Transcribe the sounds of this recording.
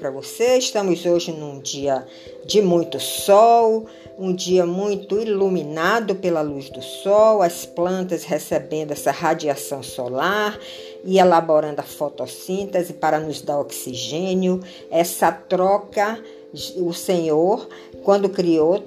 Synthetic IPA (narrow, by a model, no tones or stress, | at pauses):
pɾɐvoseiʃt̪ɐ̃mʊzoʒɪnũd͡ʒiɐ | d͡ʒɪmũj̃t̪ʊsɔw | ũd͡ʒiɐmũj̃t̪ʊilumĩnad̪ʊpelɐluzd̪ʊsɔwɐsplɐ̃nt̪ɐshesebẽnd̪ʊɛsɐɦad͡ʒiasɐ̃w̃sɔlaɾ | ɪelabɔɾɐ̃nd̪ʊɐfɔt̪ɔsĩt̪ɛzɪpaɾɐnʊzd̪aɾɔksiʒẽnjʊ | ɛsɐt̪ɾɔkɐ | ʊsẽɲoɾ | kwɐ̃nd̪ʊkɾio